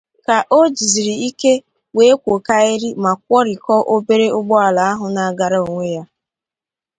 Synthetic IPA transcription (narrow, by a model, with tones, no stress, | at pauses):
ka˨ʔo˦d͡ʒi˨zi˨ɾi˨i˦ke˦ | we˨˦kʷo˨ka˦e˦ɾi˦ma˨k̚ʷɔ˦ɾi˨kɔ˦ʔo˦be˦ɾe˦ʊ˦ɡ͡bɔ˦a˨la˨a˦ɦʊ˨na˨˦ɡa˨ɾa˦o˨ŋʷe˦ja˦